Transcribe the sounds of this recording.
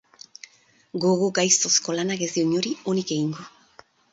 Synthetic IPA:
ɡoɣoɡajst̪o̞sko̞lanaɣezioɲoɾionikeiŋɡo

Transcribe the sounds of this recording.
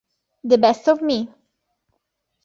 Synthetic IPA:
d̪əbɛstɔvmi

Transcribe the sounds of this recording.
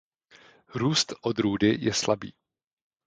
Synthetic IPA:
ɾuːst̪ʔod̪ɾuːdɪjɛslabḭː

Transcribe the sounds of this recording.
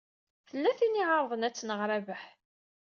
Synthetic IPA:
θəlːæθiniʕəɾˤðˤənæt͡sːnəʁɾævəħ

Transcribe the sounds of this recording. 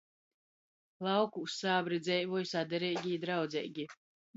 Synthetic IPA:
lˠawkuːssaːbɾid̪zɛjvɔjusad̪ɛɾɛjɡʲid̪ɾawd̪zʲɛ̰jɡʲi

